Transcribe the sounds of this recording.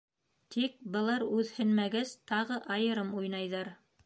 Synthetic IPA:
t̪ʰik̚bɤ̆lˠɑɾʉðhɘ̆nmæɡɘzt̪ɑʁɤʔɑjɤ̆ɾɤmujnɑjðɑɾ

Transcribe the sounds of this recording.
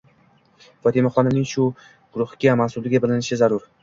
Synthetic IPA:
fɒt̪ʰimaχɒnɪnɪŋʃʊ | ɡ̥ʊɾʊhɡʲamansʊlɪɡʲabɪlɪnɪʃɪzaɾʊɾ

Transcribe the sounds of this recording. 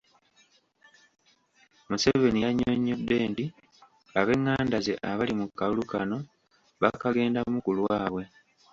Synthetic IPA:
muse̞ve̞nijaɲːo̞ɲːo̞dːe̞ːndi | aβe̞ŋːaːndaze̞̰ʔaβalimukːalulukano̞ | βakaɡe̞ːndamukulwaːβwe̞

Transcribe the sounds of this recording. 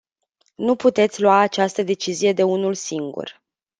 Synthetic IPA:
nuput̪e̞t̪sʲluaːt͡ʃast̪əd̪e̞t͡ʃizije̞d̪e̞unulsiŋɡṵr

